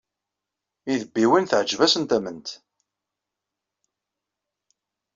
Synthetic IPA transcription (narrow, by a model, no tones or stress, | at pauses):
iðəbːiwinθʕəd͡ʒvæsənt̪æmənt̪